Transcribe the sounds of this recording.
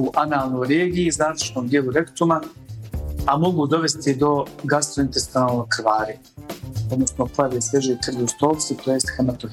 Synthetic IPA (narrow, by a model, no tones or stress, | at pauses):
uʔanaːlˠno̞jɾeːɡijizaːɾt͡ʃnomd̪jelˠuɾekt̪uma | amo̞ɡuːd̪o̞ʋe̞st̪id̪o̞ɡast̪oint̪est̪inaːlˠno̞jkɾʋaːɾi | o̞d̪no̞snoplajaʋesjeʒejk̪r̩ɡiust̪oːlˠsit̪oːjest̪xemat̪o